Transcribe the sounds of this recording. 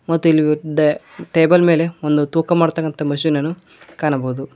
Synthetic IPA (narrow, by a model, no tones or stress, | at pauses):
mɐt̪ːuilːid̪ɐʈeːbɐlme̞ːle̞ond̪ut̪uːkɐmaːɽt̪ɐkːɐnt̪ɐmɐʃiːnɐnːu | kaːɳɐbɐud̪u